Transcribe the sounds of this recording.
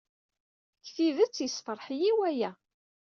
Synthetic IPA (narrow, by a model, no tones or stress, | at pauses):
kθiðæt͡sːjəsfəɾˤħjiwæjæ